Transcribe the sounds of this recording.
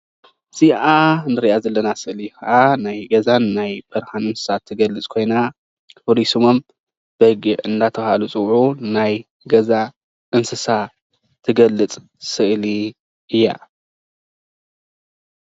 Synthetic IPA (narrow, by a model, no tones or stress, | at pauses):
z̥iʔanɨɾiʔazɐlːɐnasɨʔlixɐʔanajɡɐzanːajbɐɾhanɨnsɨ̥sat̪ʰːɨɡɐlːɨt͡sʼkʰo̞jna | fɾisumom | b̥ɐɡɨʕɨnd̪at̪ʰɐβhalut͡sʼɨwʕunaj | ɡɐza | ʔɨnsɨsa | t̪ʰːɨɡɐlːɨt͡sʼ | sɨʔli | ɨjːa̰